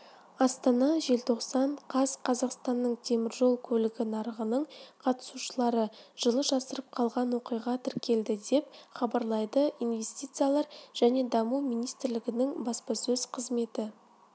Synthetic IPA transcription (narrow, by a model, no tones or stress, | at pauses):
ɑst̪ɑnɑʒe̞lt̪ʰo̞qsɑɴqʰɑzqʰɑzɑqst̪ɑnːəɴt̪ʰe̞mɪɾʒo̞lˠkʲʰɵlɪɡʲɪnɑɾəʁənəɴqʰɑt̪ə̥suʃəlˠɑɾəʒ̥əlˠəʒɑsəɾəp̚qʰɑlˠʁɑnwoqijʁɑt̪ʰɪɾkʲʰe̞ld̪ɪd̪e̞pχɑbɑɾlˠɑjd̪əʔijnve̞st̪ijt̪sɨjalˠɑɾʒ̥æne̞d̪ɑmumijnijst̪ɪɾlɪɡʲɪnɪŋbɑspɑsɵzqʰəzme̞t̪ɪ